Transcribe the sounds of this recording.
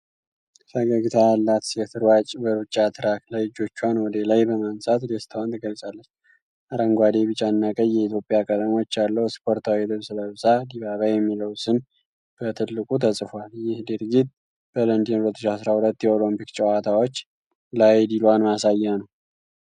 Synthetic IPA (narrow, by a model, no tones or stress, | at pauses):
fəɡəɡɨt̪ʰaalːat̪jɛt̪ʰɨɾwat͡ʃʼbəɾut͡ʃʼːat̪ʰɨɾaklajd͡ʒo̞t͡ʃːuanwɔd̪elajbəmansʼat̪d̪est̪ʰəwant̪ʰəɡəlsʼalːət͡ʃː | ʔaɾəŋɡʷad̪eβɨt͡ʃʼːanːakʼəjjɛit̪jo̞pʼjakʼət̪ʼəmo̞t͡ʃːalːəwɪspʰo̞ɾt̪ʰawid̪ɨβsɨləβsad̪iβaβajɛmːiləwsɨn | b̥ət̪ʰɨlːɨkʼut̪ʰəsʼɨfoaljɪhd̪ɨɾɡit̪̚ | b̥ələnd̪inulət̪ʰːɨʃasɾahulət̪ːjɛolompikt͡ʃʼəwat̪ʰawot͡ʃː | lajd̪ilwanmasajːanəw